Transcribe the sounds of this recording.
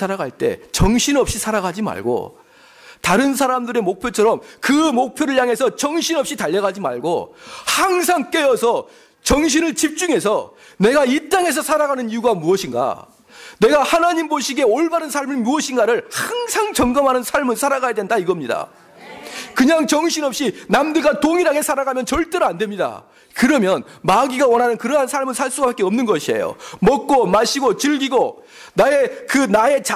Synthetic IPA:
saɾaɡaɭt͈e̞̰t͡ɕʌŋɕʰinʌp̚ɕ͈isʰaɾaɡad͡ʑima̰ɭɡo̰ | taɾɯns̬ʰaɾamdɯɾe̞mok̚pʰjot͡ɕʰʌɾʌmkɯmok̚pʰjoɾɯɭjaŋe̞sʰʌt͡ɕʌŋɕʰinʌp̚ɕ͈itaʎːʌɡad͡ʑima̰ɭɡohaŋsʰaŋk͈e̞jʌsʰʌ | t͡ɕʌŋɕ̬ʰinɯɭt͡ɕip̚t͡ɕ͈uŋe̞s̬ʰʌ | ne̞ɡait͈aŋɦe̞s̬ʰʌsʰaɾaɡanɯnijuɡamuʌɕʰinɡa̰ | ne̞ɡahanaɲimboɕʰiɡe̞oɭbaɾɯnsʰaɭmimuʌɕʰinɡaɾɯɭhaŋsʰaŋt͡ɕʌŋɡʌmɦanɯnsʰaɭmɯɭsʰaɾaɡajadwe̞ndaiɡʌmɲida̰ | kɯɲaŋt͡ɕʌŋɕʰinʌp̚ɕ͈inamdɯɭɡatoŋiɾaɡe̞sʰaɾaɡamjʌnt͡ɕʌɭt͈eɾoandwe̞mɲida̰ | kɯɾʌmjʌnmaɡiɡawʌnɦanɯnkɯɾʌɦansʰaɭmɯɭsʰaɭs͈uɡapak͈e̞ʌmnɯnɡʌɕʰie̞̰jo̰mʌk̚k͈omaɕʰiɡot͡ɕɯɭɡiɡo | nae̞kɯnae̞t͡ɕ

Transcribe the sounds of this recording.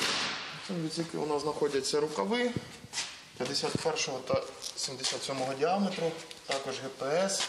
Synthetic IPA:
sʲɛmʋʲisʲikɪ̰ʊ̰nɑznɐxɔdʲɐt͡sʲːɐɾʊkɐʋɪ | pʲjɐd̪esʲat̪pɛrʃɔɦɔt̪ɐsʲimd̪esʲat̪sʲɔmɔɦɔdʲiɑmet̪ɾʊt̪ɑkɔʒɣɛpeɛs

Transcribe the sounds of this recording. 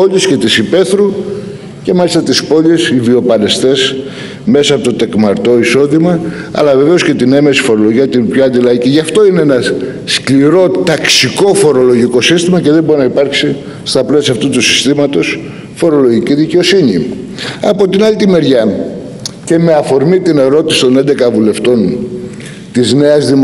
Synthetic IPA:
oʎusce̞t̪isipe̞θɾu | ce̞mɐlist̪ɐt̪ispo̞ʎesivio̞pɐle̞st̪e̞s | me̞sɐːpo̞t̪ot̪e̞kmɐɾt̪o̞iso̞ðimɐɐ̰lɐve̞ve̞o̞sce̞t̪ine̞mesi̥fo̞ɾo̞loʝiɐt̪inpçoɐnd̪ilɐiciʝɐft̪o̞ineenɐ | skliɾo̞t̪ɐksiko̞fo̞ɾo̞lo̞ʝiko̞sist̪imɐce̞ðe̞mbo̞ɾinɐipɐɾksi | st̪ɐplesiɐft̪ut̪usi̥st̪imɐt̪o̞s | fo̞ɾo̞lo̞ʝiciðiceo̞siɲi | ɐ̰po̞t̪inɐlit̪ime̞ɾʝɐ | ce̞me̞ɐfo̞ɾmit̪ine̞ɾo̞t̪isi̥t̪o̞ne̞nd̪e̞kɐvule̞ft̪o̞n | t̪izne̞ɐzðim

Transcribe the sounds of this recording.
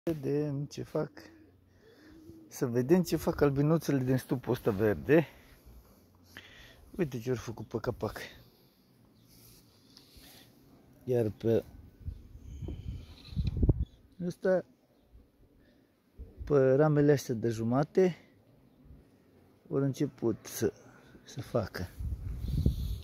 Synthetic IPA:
ed̪eɨnt͡ʃefak | səved̪emt͡ʃefakalbinut̪seled̪inst̪upost̪averd̪e | ujt̪et͡ʃeoɾʲfəkupəkapak | jarpə | əst̪a | pəɾameleast̪ad̪əʒumat̪e | oɾɨnt͡ʃeput̪sə | səfakə

